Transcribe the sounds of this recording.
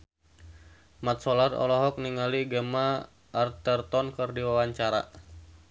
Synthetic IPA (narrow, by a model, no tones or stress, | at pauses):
mat̪̚sɔlarɔ̰lɔɦɔk̚niŋaliɡəma | ʔːrt̪ərt̪ɔnkərdiwawaɲt͡ʃaɾa̰